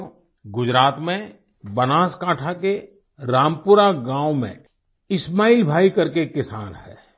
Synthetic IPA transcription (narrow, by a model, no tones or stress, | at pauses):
ɡʊd͡ʒɾaːt̪mẽ | bənaːskaːʈʰake | ɾaːmpʊɾaɡãːwmḛ̃ | ɪsmaːiːlbʱaːikɐɾkekɪsaːnɦɛ̰ː